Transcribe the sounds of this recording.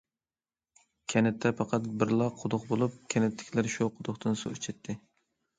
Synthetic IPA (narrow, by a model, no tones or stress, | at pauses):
kʲʰɛnɛt̪ʰːɛpʰɑqʰɑt̪̚bɪɾlˠɑqʰːʊd̪ʊqbolˠup̚kʲʰɛnɪt̪ʰːɪ̥kʲʰilæɾʃuqʰʊd̪ʊχt̪ɨnso̰it͡ʃʰɛt̪ʰːɪ